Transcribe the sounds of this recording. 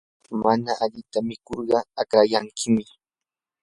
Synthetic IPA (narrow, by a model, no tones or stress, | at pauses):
manaʔaʎɪt̪amɪkoɾɢɑakɾajaŋkɪmɪ